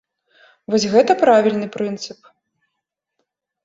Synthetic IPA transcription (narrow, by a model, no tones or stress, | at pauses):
vɔsʲɣɛt̪ɐpɾavʲilʲnɨpɾɨnt̪sɨp̚